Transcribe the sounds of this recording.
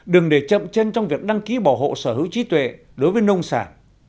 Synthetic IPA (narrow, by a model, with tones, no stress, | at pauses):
ɗɨ˨˩əŋɗe˧˩t͡ɕə̰˧˨mt͡ɕe˧nt͡ɕɔ˧wŋ͡mvi˨˩ək̚ɗa˧ŋki˨˦ɓɔ˧˩ɦo̰˧˨səː˧˩hɨ˨˦wt͡ɕi˨˦t̪wḛ˧˨ | ɗo˨˦jvəː˨˦jnə˧wŋ͡msaː˧˩n